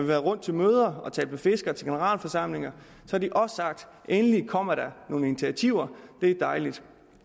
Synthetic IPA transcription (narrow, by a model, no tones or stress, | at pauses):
ʋiʋæːɐðˠʁɔ̽n̰d̥̚t͡sʰe̝lmøːð̞ˠɐɒ̽t͡sʰɛ̰ːl̥̚mefe̝sɡ̥ɐt͡sʰe̝ɡ̥e̝nəʁɑ̰̈ːlfɒ̽sɑ̈m̰le̝ŋɐ | sɒ̽æɐd̥iʔɒ̽ssɑ̈ɡ̥̚d̥ | enəlikʰɒ̽m̰ɐd̥æno̝ːninit͡sʰiæt͡sʰiʊ̰ɐd̥e̝d̥ɑ̈ɪlid̥